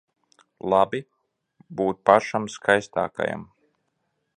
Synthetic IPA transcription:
lˠabi | buːt̪̚paʃamskʰajst̪a̰ːka̰ja̰m

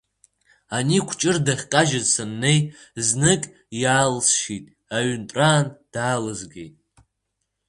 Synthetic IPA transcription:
anikʷʰt͡ʃʼɨrdaχʲqʲʼaʒazsɨnːe̞jznɨkʼ | jaːlsʃitʼ | aɥntʼraːnd̥aːlɨzɡʲḛjtʼ

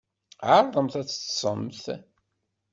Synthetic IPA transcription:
ʕaɾˤðˤəmθæt͡sːə̥sˤə̰mθ

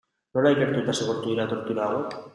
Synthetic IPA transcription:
noɾajkeɾt̪uet̪aseɣoɾt̪uðiɾat̪o̞ɾt̪uɾaɣek

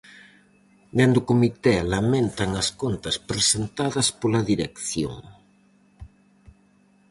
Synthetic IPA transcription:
d̪end̪okomit̪ɛlamẽnt̪aŋɐskont̪ɐspɾesent̪aðɐspolɐðiɾekθjo̰ŋ

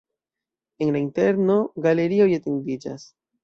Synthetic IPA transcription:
e̞nlainte̞ɾno̞ɡale̞ɾio̞jatendid͡ʒa̰s

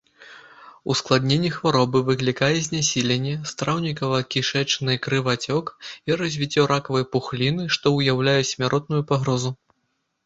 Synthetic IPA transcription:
usklˠad̪ʲnʲenʲːixvaɾɔbɨvɨklʲikajɛzʲnʲasʲilʲenʲːɛst̪ɾawnʲikɐvɐkʲiʂɛt͡ʂnɨkɾɨvat͡sʲɔkiɾɐzʲvʲit͡sʲːɔɾakɐvɨjɐpuxlʲinɨʂt̪ɔwjawlʲajɛsʲmʲaɾɔt̪nujupaɣɾɔzu

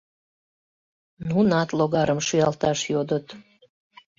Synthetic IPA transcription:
nunɑt̪loɣɑɾəmʃyɑlt̪ɑʃjod̪ət̪

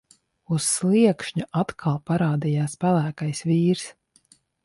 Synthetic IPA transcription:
usːlˠiɛkʃɲuʔat̪kʰalˠpaɾaːd̪ijaːspælˠæːkajsviːɾs

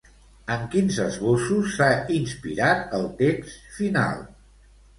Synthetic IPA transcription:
əŋkinzəzβosusːainspḭɾat̪əlˠt̪eksfina̰lˠ

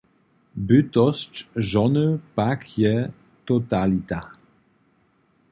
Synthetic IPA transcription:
byt̪ɔst͡ʃʒɔnəpakʰjɛ | t̪ɔt̪alit̪a

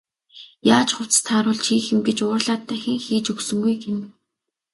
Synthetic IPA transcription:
jaːt͡ɕχʊw̥t͡st̪ʰaɾʊːɮt͡ɕʰiːxɘ̆mɡet͡ɕʊːrɮaːt̪ʰːæːxʲĭŋxiːt͡ɕɵksɵ̆ŋɡujɡen

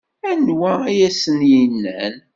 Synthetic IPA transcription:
ænwæijæsənjinːæn

